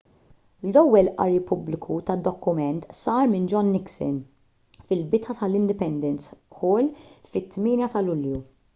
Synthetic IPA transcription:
lɔwːɛlʔɐ̰ɾipʊblɪkʰut̪ɐd̪ːɔkːʊmɛnt̪sɐːɾmɪnd͡ʒɔnːɪksɪ̰n | fɪlbɪt̪ɐt̪ɐlɪnd̪ɪpɛnd̪ɛnsħɔːlfɪt̪ːmɪːnjɐt̪ɐlʊlju

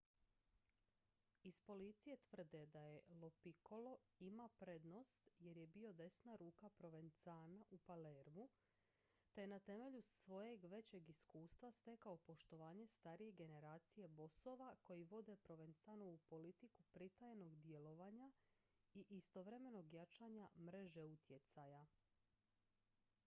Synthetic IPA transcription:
ispo̞lit̪sije̞t̪ʋr̩d̪e̞d̪aje̞lopiko̞lo̞ | imapɾe̞d̪no̞st̪je̞ɾje̞bio̞d̪e̞snaɾuːkapɾo̞ʋent̪saːnaʔupaleɾmu | t̪ejenat̪e̞me̞ʎussʋo̞je̞ɡʋe̞t͡ɕe̞ɡiskuːst̪ʋast̪e̞kaopo̞ʃt̪o̞ʋaːɲe̞st̪aɾije̞ɡe̞ne̞ɾaːt̪sije̞bo̞so̞ːʋako̞jiʋo̞d̪e̞pɾo̞ʋent̪sanoupo̞lit̪ikupɾit̪ajeno̞ɡd̪je̞lo̞ʋaɲa | iʔist̪o̞ʋɾe̞me̞no̞ɡjat͡ʃaɲamɾe̞ʒe̞ut̪ʰjet̪saja

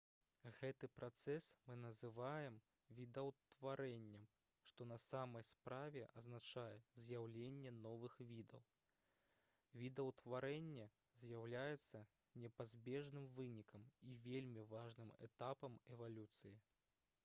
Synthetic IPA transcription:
ɣɛt̪ɨpɾat̪sɛsmɨnɐzɨvajɛm | vʲid̪ɐwt̪vaɾɛnʲːɛm | ʂt̪ɔnɐsamɐjspɾavʲɛʔɐznat͡ʂajɛzʲjawlʲenʲːɛnɔvɨxvʲid̪ɐw | vʲid̪ɐwt̪vaɾɛnʲːɛ | zʲjawlʲajɛt̪sːɐ | nʲɛpazʲbʲɛʐnɨmvɨnʲikɐmivʲelʲmʲivaʐnɨmɛ̰t̪apɐmɛvalʲut̪sɨji

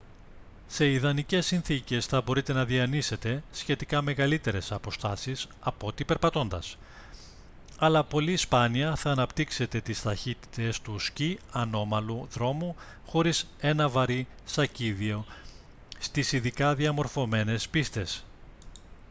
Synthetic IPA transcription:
se̞iðɐnice̞sːinθice̞sθɐbo̞ɾit̪e̞nɐðiɐnise̞t̪e̞sçe̞t̪ikɐme̞ɣɐlit̪e̞ɾe̞sɐpo̞st̪ɐsis | ɐpo̞t̪ipe̞ɾpɐt̪o̞nd̪ɐs | ɐlɐpo̞lispɐniɐθɐːnɐpt̪ikse̞t̪e̞t̪ist̪ɐçit̪i̥t̪e̞st̪usciɐno̞mɐluðɾo̞mu | xo̞ɾise̞nɐvɐɾi | sɐciðio̞ | st̪isiðikɐðiɐmo̞ɾfo̞me̞ne̞spist̪e̞s

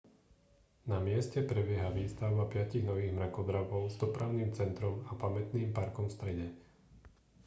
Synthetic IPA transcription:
namɪɛscɛpɾɛbɪɛɦaʋiːst̪aʊbapɪaciɣnɔʋiːɣmɾakɔd̪ɾaʋɔʊzd̪ɔpɾaʊniːmt͡sɛnt̪ɾɔmapamɛt̪niːmpaɾkɔmfst̪ɾɛɟɛ

